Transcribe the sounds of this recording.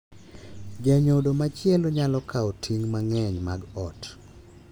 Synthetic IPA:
ɡɛɲodomat͡ʃɪɛloɲalɔkʰaotʰiŋmaŋɛɲmaɡɔt

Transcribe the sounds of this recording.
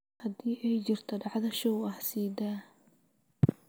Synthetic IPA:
hɐd̪iːʔɛjt͡ʃɪrt̪ʰɐɖɑʕðɐʃɔwɐħsiːd̪aː

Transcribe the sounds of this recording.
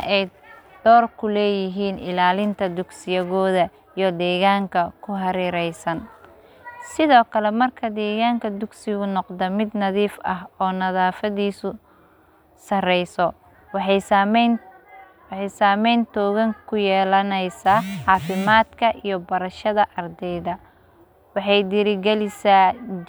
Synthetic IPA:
ʔɛjd̪̥ɔːrkʰʊlɛːjɪɦiːnʔɪ̰laːlɪnt̪ʰɐd̪ʊɡsɪjɐɣɔːðɐ | ijɔd̪ɛːɣaːŋkʰɐkʰʊɦɐɾiːɾɛjsɐn | sɪðɔːkʰɐlɛmɐrkʰɐd̪ɛːɣaːŋkʰɐd̪ʊɡsɪɣʊnɔqd̪ɐmɪd̪nɐðiːfɐɦɔːnɐðaːfɐðiːsʊ | sɐrɛjsɔ | w | wɑħɑjsaːmɛjnt̪ʰɔːɣɐŋkʰʊjɛːlɐnɛjsaːʕɑːfɪmaːd̪kʰɐʔijɔbɐɾɐʃɐðɐʔɐrd̪ɛjðɐ | wɑħɑjd̪ɪɾɪɡɛlɪsaː

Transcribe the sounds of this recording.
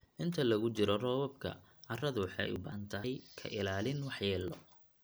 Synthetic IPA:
ʔɪnt̪ʰɐlɐɣʊt͡ʃɪɾɔrɔːwɐb̚kʰɐ̰ | ʕɑrɐðʊwɑħɑ̰jʊ̰bant̪ʰɐɦɛjkʰɐ̰ʔɪlaːlɪnwɑħjɛːlɔ̰

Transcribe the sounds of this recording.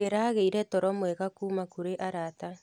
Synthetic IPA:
eɾaɣeiɾɛtɔɾɔmwɛɣakuːmakuɾeʔaɾata

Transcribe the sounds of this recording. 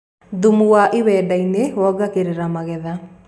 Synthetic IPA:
ðumuwaʔeβɛːdainewɔɡakeɾeɾamaɣɛða

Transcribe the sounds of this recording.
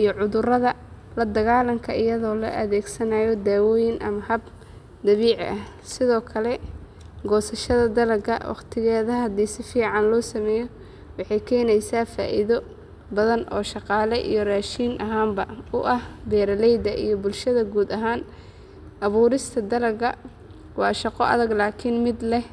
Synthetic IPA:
ʔijɔʕʊðʊrɐðɐ | lɐd̪ɐɣaːlɐmkʰɐɪjɐðɔːlɔ̰ʔɐðɛːɡsɐnaːjɔd̪aːwɔːjɪnʔɐ̰mɐhɐb | d̪ɐβiːʕ̰ʔɐh | sɪðɔːkʰɐlɛ | ɡɔːsɐʃɐðɐd̪ɐlɐɡʰɐwɑ̰qt̪ʰɪɣɛːðɐhɐd̪iːsɪfiːʕɑnlɔːsɐmɛːjɔ | wɑħɑjkʰɛːnɛjsaːfa̰ːʔiðɔ | bɐðɐnʔɔ̰ːʃɑqɑːlɛʔḭjɔraːʃiːnʔɐɦaːmbɐʊʔɐhbɛːɾɐlɛjd̪ɐʔijɔbʊlʃɐðɐɡuːd̪ɐɦaːn | ʔɐβuːɾɪst̪ʰɐd̪ɐlɐɡɐ | wɑ̰ːʃɑqɔʔɐ̰ðɐɡlaːkʰɪnmɪd̪lɛh

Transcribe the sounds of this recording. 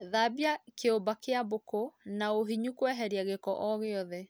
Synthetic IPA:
ðaːbjakeombakeabokonaoɦiɲukwɛɦɛɾiaɣekɔʔɔɣeɔðɛ

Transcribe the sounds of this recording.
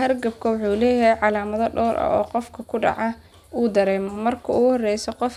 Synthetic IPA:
hɐrɡɐb̚kʰɐwʊħuːlɛːjɐɦɛjʕɑlaːmɐðɔɖɔːɾʔɐ̰ʔɔ̰ːqɔfkʰɐkʰʊɖɑ̰ʕɑ | uːd̪ɐɾɛːmɔmɐrkʰɐuːɣʊhɔrɛjsɔqɔf

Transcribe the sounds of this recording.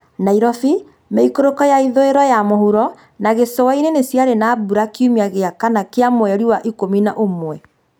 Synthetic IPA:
naiɾɔfi | meikoɾokɔjaiðoeɾɔjamohuɾɔ | naɣesɔwainenesjaɾenabuɾakiumiaɣeakanakeamwɛɾiwaʔikominaʔomwɛ

